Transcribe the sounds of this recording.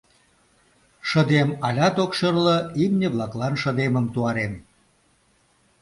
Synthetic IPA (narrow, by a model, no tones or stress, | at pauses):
ʃə̆d̪emɑlʲɑt̪okʃərləimnʲeβlɑklɑnʃəd̪eməmt̪uɑɾem